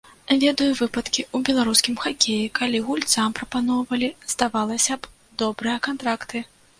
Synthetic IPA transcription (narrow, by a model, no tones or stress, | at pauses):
vʲɛd̪ɐjuvɨpɐt̪kʲiubʲɛlˠaɾuskʲimxakʲejikalʲiɣulʲt̪sampɾɐpanɔwvɐlʲiz̥d̪avalˠɐsʲɐb | d̪ɔbɾɨjɐkant̪ɾakt̪ɨ